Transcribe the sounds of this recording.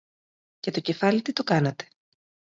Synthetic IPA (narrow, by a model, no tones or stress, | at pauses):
ce̞t̪o̞ce̞fɐlit̪it̪o̞kɐnɐt̪e̥